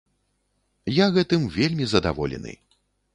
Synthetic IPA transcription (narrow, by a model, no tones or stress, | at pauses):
jaɣɛt̪ɨmvʲelʲmʲizɐd̪a̰vɔlʲɛ̰nɨ̰